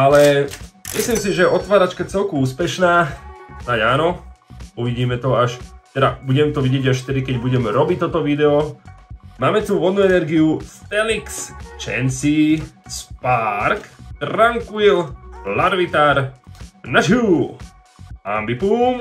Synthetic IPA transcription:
alɛmisliːmsiʒɛɛʔɔt̪ʋaːɾat͡ʃkat͡sɛlkuuːspɛʃnaːnaɟaːnɔuʋiɟiːmɛt̪ɔaʃt̪ɛdabuɟɛmt̪ɔʋiɟjɛɟaʃft̪ɛd̪ikɛɟbuɟɛmɾɔbit̪ːɔt̪ɔʋid̪ɛɔ | maːmɛt̪uʋɔd̪nuɛnɛɾɡiuft̪ɛlikst͡ʃɛ̰nsispaɾkt̪ɾaŋkuillaɾʋit̪aɾnat͡ʃuːl | a̰mbipuːm

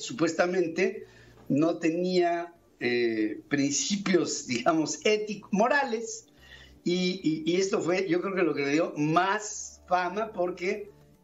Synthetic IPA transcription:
supwe̞st̪amẽnt̪e̞ | no̞t̪e̞nia | epɾinsipjo̞zd̪iɣamo̞set̪ikmo̞ɾales | iːest̪o̞fwe̞ʝo̞kɾeokelo̞keleðjo̞masfamapo̞ɾke

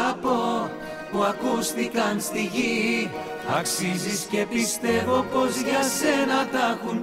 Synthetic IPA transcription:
ɐpo̞ | puɐkust̪ikɐnst̪iʝi | ɐksizisce̞pist̪e̞vo̞po̞zʝɐse̞nɐt̪ɐxun

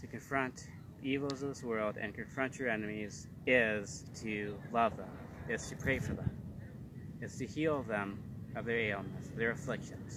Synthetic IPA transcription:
tʰɨkʰɨ̃ɱfɹʌ̃nt | ðiivl̩ˠzʌvðɪswɜ˞lˠdɨ̰̃nkʰɨ̃ɱfɹʌ̃nt͡ʃə˞ɛnɨmiz | ɪz̥tʰɨlʌvðə̃m | ɪtz̥tʰɨpʰɹ̥eɪfə˞ðə̰̃m | ɨtstʰɨhilˠðə̃m | ʌvðə˞eɪl̩ˠnəsʌvðə˞ɨflɪkʃɨ̃nz̥

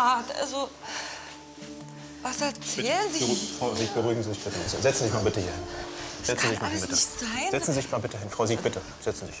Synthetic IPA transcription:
atʔa̰lzo | vasɛɐt͡sɛːlnzɪfʁaʊzik̚b̥əʁuɪɡŋ̩zizɪçb̥ɪtəa̰zozɛt͡sn̩zɪçmalbɪtəhiːɐhɪnz̥ɛt͡sn̩zɪçmaɪnbɪtəaɪz̥ɛt͡sn̩zɪçmaːbɪtəɦɪnfʁ̥aʊziːk̚b̥ɪtʰə | z̥ɛt͡sn̩zɪç

